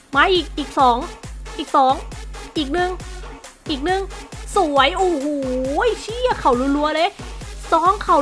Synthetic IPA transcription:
maː˧˥ʔiː˨˩k̚ʔiː˨˩k̚sɔː˩˦ŋʔiː˨˩k̚sɔː˨˩˦ŋʔiː˨˩k̚nɯ˧˩ŋʔiː˨˩k̚nɯ˨˧˩ŋsu˨˩˦əjʔoː˧˩huː˨˩˦jt͡ɕʰi˧˥˩ə˨kʰa˧˩wlu˧˥˦nlu˧˦ɐlɤː˧˥jsɔː˧˥ŋkʰa˧˩

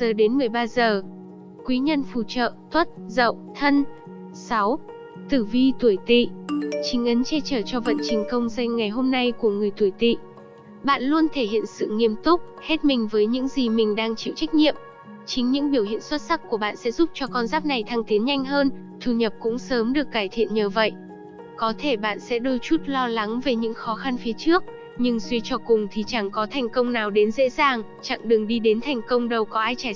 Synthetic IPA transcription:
zəː˨˩ɗe˨˦nmɨ˨˩əjɓaː˧zəː˨˩ | kwi˨˦ɲə˧nfu˧˩t͡ɕə̰ː˧˨t̪ʰwə˦˥t̚zə̰˧˨wt̪ʰə˧n | sa˨˦w | t̪ɨ˧˩vi˧t̪u˧˩əjt̪ḭ˧˨t͡ɕï˨˦ŋ̟ʔə˨˦nt͡ɕɛ˧t͡ɕəː˧˩t͡ɕɔ˧və̰˧˨nt͡ɕï˨˩ŋkə˧wŋ͡mza˧jŋŋa˨˩jɦo˧mna˧jku˧˩əŋɨ˨˩əjt̪u˧˩əjt̪ḭ˧˨ | ɓa̰ː˧˨nlu˧ənt̪ʰe˧˩hḭ˧˨ənsɨ̰˧˨ŋi˧əmt̪ʊ˦˥k͡p̚he˦˥t̚mï˨˩ŋ̟vəː˨˦jɲɨ̰˧˥ŋzi˨˩mï˨˩ŋ̟ɗaː˧ŋt͡ɕḭ˧˨wt͡ɕa˦˥k̟̚ɲḭ˧˨əm | t͡ɕï˨˦ŋ̟ɲɨ̰˧˥ŋɓi˧˩əwhḭ˧˨ənswə˦˥t̚sa˦˥k̚ku˧˩əɓa̰ː˧˨nsɛ̰˧˥zu˦˥p̚t͡ɕɔ˧kɔ˧nzaː˦˥p̚na˨˩jt̪ʰaː˧ŋt̪i˨˦nɲa˧jŋ̟ɦəː˧n | t̪ʰu˨˩ɲə˨˩p̚kʊ̰˧˥ŋ͡msəː˨˦mɗɨ˨˩əkːaː˧˩jt̪ʰḭ˧˨ənɲəː˨˩və̰˧˨j | kɔ˨˦t̪ʰe˧˩ɓa̰ː˧˨nsɛ̰˧˥ɗo˧jt͡ɕu˦˥t̚lɔ˧la˨˦ŋve˨˩ɲɨ̰˧˥ŋxɔ˨˦xa˧nfi˨˦t͡ɕɨ˦˥ək̚ | ɲɨ˧ŋswi˧ət͡ɕɔ˧kʊ˨˩ŋ͡mt̪ʰi˨˩t͡ɕa˧˩ŋkɔ˨˦t̪ʰa˨˩jŋ̟kə˧wŋ͡mnaː˨˩wɗe˨˦nzḛ˧˥zaː˨˩ŋ | t͡ɕa̰˧˨ŋɗɨ˨˩ŋɗi˧ɗe˨˦nt̪ʰɛ˨˩jŋ̟kə˧wŋ͡mɗə˨˩wkɔ˨˦ʔaː˧jt͡ɕaː˧˩

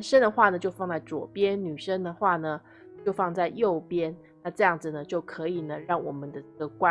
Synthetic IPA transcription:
nʂə˥nd̪ə˨xwa˥˩nə˩t͡ɕjo˥˧ʊfɑ˥˧ŋt͡sa˥˩ɪt͡swɔ̰˨˩pjɛ˦˥nny˨˩ʂə˥nd̪ə˨xwa˥˩nə˩ | t͡ɕjo˥˧ʊfɑ˥˧ŋt͡sa˥˧ɪjo˥˨˩ʊpjɛ˥n | na˥˧ʈ͡ʂɤ˥˧jɑ˥˩ŋd͡zɹ̩˩nə˩t͡ɕjo˥˩ʊkʰɤ˧˦i˨˩nə˩ɻɑ˥˩ŋwɔ˨˩mə˦nd̪ə˧ʈ͡ʂə˥˩ɡə˩kwa˥˧

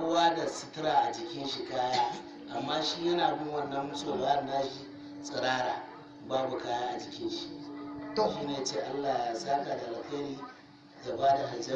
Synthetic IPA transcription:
waː˦da˨sɪ˦tɪ˦ɾaː˨ʔa˨d͡ʒɪ˨kʲɪ˦nʃi˨kaː˦jaː˦ | ʔa˨mːaː˦ʃi˦jɐ˦naː˨bʊ˦nwɐ˦˨nːɐ˦mːʊ˦soː˨la˨˦a˦ɾnaː˦ʃi˦ | sʼɪ˨ɾaː˦ɾaː˨ | baː˦bu˨kaː˦jaː˦ʔa˨d͡ʒɪ˨kʲɪ˦nʃi˨o˨ʃi˦neː˨˦t͡ʃeː˨ʔa˦lːaː˨ja˨saː˦ka˨da˨ʔa˨kɐ˦ɽiː˦ | za˨baː˦da˨ɦa˨d͡ʒ

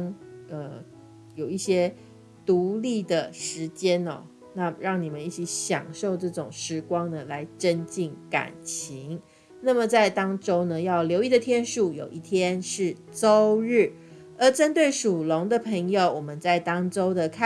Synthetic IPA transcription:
ŋə˧˩ | jo˨˩ʊi˥˩ɕjɛ˥ | t̪u˧˥li˥˩d̪ə˩ʂɻ̩˧˥t͡ɕjɛ˥nɔ̰˨ | na˥˩ɻɑ˥˩ŋni˨˩mə˨˦ni˥˩t͡ɕʰi˧˥ɕjɑ̰˨˩ŋʂo˥˧ʊʈ͡ʂɤ˥˩ʈ͡ʂʊ˨˩ŋʂɻ̩˧˥kwɑ˥ŋnə˨la˧˥ɪʈ͡ʂə˦˥nt͡ɕi˥˩ŋka̰˨˩nt͡ɕʰi˧˥ŋ | na˥˩mə˨t͡sa˥˩ɪt̪ɑ˥ŋʈ͡ʂo˥ʊnə˨jɑ˥˩ʊljo˧˥ʊi˥˩d̪ə˨˩t̪ʰjɛ˥nʂu˥˩jo˨˩ʊʔi˥˩t̪ʰjɛ˥nʂɻ̩˥˩ | ʈ͡ʂo˥ʊɻ̩˥˩ | ə˞˨˧˥ʈ͡ʂə˥nt̪we˥˩ɪʂu˨˩lʊ˧˥ŋd̪ə˨pʰə˧˥ŋjo˨˧ʊwɔ˨˩mə˦nt͡sa˥˩ɪt̪ɑ˥ŋʈ͡ʂo˥ʊd̪ə˨kʰ

